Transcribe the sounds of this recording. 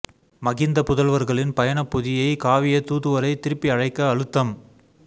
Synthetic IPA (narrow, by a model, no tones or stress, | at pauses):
mɐɣɪnd̪ɐpʊðɐlʋɐɾɣɐɭɪnpɐjɐɳɐpːʊðɪjɐɪkaːʋɪjɐt̪ːuːt̪ːɯʋɐɾɐɪt̪ɪɾɯpːiɐɻɐɪkːɐːɻɯt̪ːɐm